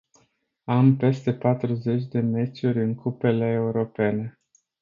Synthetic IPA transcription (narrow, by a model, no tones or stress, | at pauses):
ampe̞st̪e̞pat̪ɾuze̞t͡ʃʲd̪e̞me̞t͡ʃuɾʲɨŋkupe̞le̞ːuɾo̞pe̞ne̞